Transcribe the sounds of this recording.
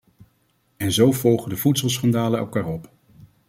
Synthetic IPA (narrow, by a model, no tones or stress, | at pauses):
ɛnzowv̥ɔlˠχədəv̥utsəlˠsχɑndaːləɛ̰lˠkaːɹɔp